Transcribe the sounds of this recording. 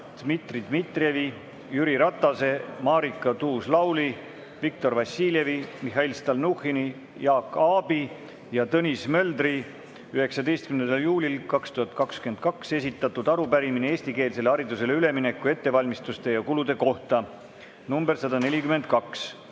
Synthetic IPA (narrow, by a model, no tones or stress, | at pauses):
d̪̥mit̪rid̪mit̪ˑre̞vi | jyɾiɾɑt̪ːˑɑse̞mɑːɾikːˑɑt̪uːslɑwli | vik̚t̪o̞rvɑsːiːlʲje̞vimiɦɑilst̪ɑlnuxini | jɑːkːɑːbi | jɑt̪ɤnʲismø̞ld̪ri | yhe̞ksɑd̪e̞jst̪̚kymnend̪ɑljuːlʲilkɑkst̪uhɑt̪̚ˑkɑkskye̞nd̪̚kɑkse̞s̬ʲit̪ːˑɑt̪ːud̪̥ɑɾupæɾiminee̞ːsʲt̪ike̞ːlse̞leɑɾid̪use̞le̞yle̞mine̞kːˑue̞t̪ːe̞vɑlʲmist̪ust̪e̞jɑkulud̪e̞ko̞ht̪ɑ | numbe̞rsɑd̪ɑne̞lʲikyme̞nd̪̚kɑks